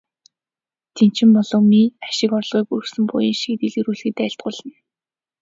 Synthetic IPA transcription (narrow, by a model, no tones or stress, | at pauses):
t̪ʰen̥t͡ɕɪ̆mpɔɮɞ̆ːŋmiaʃɪ̆kɔɾ̆ɮʁiːkursɘ̆mpʊ̰jĭŋʃiːt̪iɮeɾuːɮxɘ̆t̪æːɬt̪̚ɢʊːɮə̆n